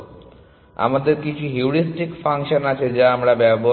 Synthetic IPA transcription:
a̰mad̪eɾkit͡ɕʰuɦuɾisʈikfaŋʃonat͡ɕʰed͡ʑaamɾabɛbo

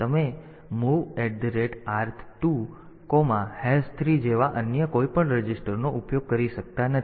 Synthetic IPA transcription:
t̪əme | muʋeɖɖɾeʈaɾt̪ʰtu | komãhɛlst̪ʰɾid͡ʒeʋaʔənjəkoipəɳɾəd͡ʒisʈəɾnoʔupjoɡ̚kəɾiʃək̚t̪anət̪

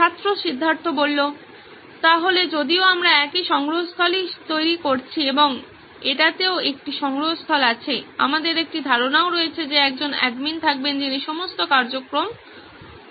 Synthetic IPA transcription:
ʃʰat̪ːɾoʃid̪ʱːaɾt̪obolːo | t̪aɦoled͡ʑod̪ioamɾaɛkiʃɔŋɡɾoɦost̪ʰɔlit̪ojɾikoɾt͡ɕʰieboŋ | eʈat̪eoek̚ʈiʃɔŋɡɾoɦost̪ʰɔlat͡ɕʰea̰mad̪eɾek̚ʈid̪ʱaɾonaoɾoet͡ɕʰed͡ʑeɛkd͡ʑonɛ̰ɖmint̪ʰak̚bend͡ʑiniʃɔmost̪okaɾd͡ʑokɾom

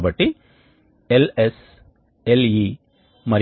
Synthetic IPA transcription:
bɐʈːi | eles | eli | mɐɾ

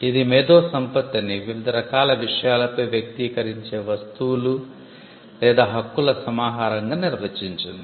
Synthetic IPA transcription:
id̪imeːd̪o̞ːsɐmpɐt̪ːiniʋiʋid̪ʱɐɾɐkaːlɐʋiʂɐjaːlɐpɐjʋjɐk̚t̪iːkɐɾiɲt͡ʃe̞ːʋɐst̪uwulu | lɛːd̪aːɦɐkːulɐsɐmaːɦaːɾɐŋɡaːniɾʋeːt͡ʃiɲt͡ʃind̪i

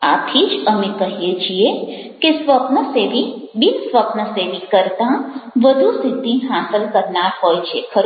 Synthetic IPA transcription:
a̰t̪ʰid͡ʒəmẽkəɦiet͡ʃʰie | kesʋəpnəseʋibisʋəpnəseʋikəɾt̪ãʋəd̪ʱust̪it̪ĩɦasəlkəɾnaɾɦojt͡ʃʰekʰəɾ

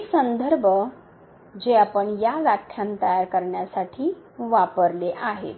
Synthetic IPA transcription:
ksənd̪ʱəɾbʱə | d͡ʑeapəɳjaɡakʰjant̪əjaɾkəɾɳjasaʈʰiːʋapəɾleʔaɦḛt̪

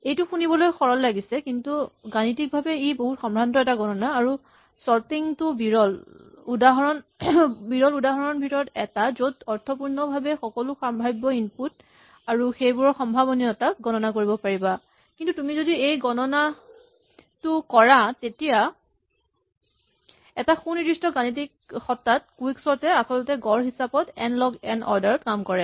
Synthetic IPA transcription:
ejtuxunibɔlojxɔɹɔllaɡisɛkintuɡanitik̚bʱabɛiboɦutxɔmbʱantɔɛtaɡɔnɔnaːɹu | sɔɹtiŋtʊbiɹɔl | udaɦɔɹɔnbiɹɔludaɦɔɹɔnbʱitɔɹɔtɛtazodɔɹtʰɔpuɹnɔbʱabɛxɔkɔlʊxambʱajbɔinput̚ | aɹuxejbʊɹɔɹxɔmbʱabɔniɔɛtaɡɔnɔnakoɹibɔpaɹiba | kintutumizodiejɡɔnɔna | tʊkɔɹatetija | ɛtaxunidɹistɔɡanitik̚ | xɔtːat̚kuwiksɔɹtɛasɔlɔtɛɡɔɹɦisapɔtɛ̰nlɔɡɛnʔɔ̰ɹdaɹɔtkamkɔɹɛ

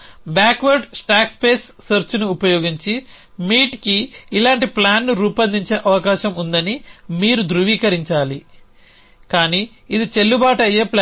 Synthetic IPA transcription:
baːkʋɐɾɖsʈaːkspe̞ːsːɐɾt͡ʃunuːpɐjoːɡiɲt͡ʃi | miːʈkiːlaːɳʈiplaːnːuɾuːpɐnd̪iɲt͡ʃe̞ːʔɐʋɐkaːʃɐmund̪ɐnimiːɾud̪ɾuʋiːkɐɾiɲt͡ʃaːli | kaːni | id̪it͡ʃe̞lːubaːʈɐjːe̞ːplː

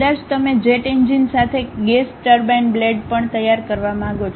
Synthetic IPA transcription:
d̪aʃt̪əmed͡ʒeʈend͡ʒinsat̪ʰeɡesʈəɾbanbleɖpəɳt̪əjːaɾkəɾʋamãaɡot͡ʃʰ

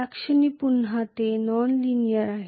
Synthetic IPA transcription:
akʂəniːpunɦat̪enɔnlinijəɾaɦ

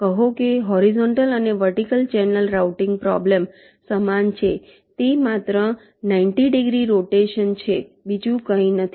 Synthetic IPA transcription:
kəɦokeɦɔɾizɔɳʈələneʋəɾʈikəlt͡ʃɛnəlɾawʈɪŋɡpɾɔ̰blem | səmant͡ʃʰe | t̪emat̪ɾə | naiɳʈiɖiɡɾiɾoʈeʃənt͡ʃʰebid͡ʒũkəĩnət̪ʰi

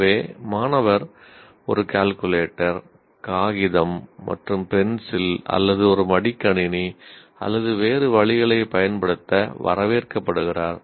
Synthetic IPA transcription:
ʋeːmaːnɐʋɐɾ | ɔ̰ɾɯkaːlkɯleːʈːɐɾ | kaːɣɪðɐmːɐ̰ʈrɯmpɛnsɪlɐ̰lːɐðɯɔɾɯmɐɽɪkːɐɳɪni | ɐ̰lːɐðɯʋeːɾɯʋɐɭɪɣɐɭɐɪpɐjɐnpɐɽɯt̪ːɐʋɐ̰ɾɐʋeːɾkɐpːɐɽɯɣɪraːɾ

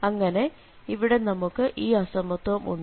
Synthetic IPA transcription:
ɐŋːɐne̞ | iʋiɽe̞nɐmukːɨʔiːɐsɐmɐt̪ːwɐmʔṵɳː

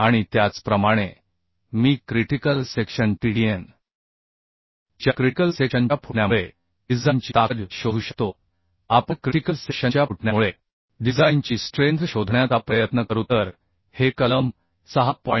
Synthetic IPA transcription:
aɽ̃it̪jat͡spɾəmaɽ̃e | miːkɾiʈikəlsekɕənʈiɽien | d͡ʑjakɾikəlsekɕəɲt͡ɕapʰuɳjamɭe | id͡zant͡ɕit̪aɾɕoɦuːɕək̚t̪o | apəɳkɾiʈikəlseɕəɲjauʈɳjamuɭe | ɖid͡zaint͡ɕiːsʈɾent̪ɕod̪ʱɳjat͡sapɾəjət̪nəkəɾut̪əɾ | hekələm | səɦapɔ

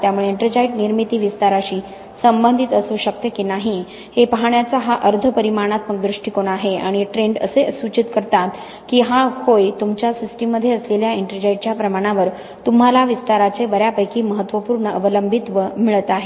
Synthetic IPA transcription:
t̪jamuɭeiɳʈəɾd͡ʑaiʈniɾmit̪iːʋist̪aɾaɕiː | səmbənd̪ʱit̪əsuɕək̚t̪jəkinaɦi | hepəɦaɳjat͡saɦaʔəɾd̪ʱəpəɾimaɳ̃at̪̚pəɳd̪ɾuʂʈikoɽ̃aɦeaɽ̃iʈɾeɳɖə̰seəsut͡ɕit̪kəɾt̪at̪ | kiːɦahojt̪umt͡ɕjasisʈimːəd̪ʱːjeəsleljaiɳʈəɾd͡ʑaiʈ̚t͡ɕjapɾəmaɽ̃aʋəɾ | t̪um̤ɦalaʋist̪aɾat͡seʋəɾjapəjkiːməɦət̪ːʋəpuːɾɳəʔəʋələmbʱit̪ʋəmiɭət̪aɦe

